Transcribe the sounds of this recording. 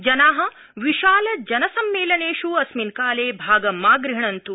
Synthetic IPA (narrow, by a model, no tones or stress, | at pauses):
d͡ʒɐnaːɦɐ | ʋiʃaːlɐd͡ʒɐnɐsɐmːeːlɐneːʂuɐsminkaːleːbʱaːɡɐmaːɡɾɪɦɳɐnt̪u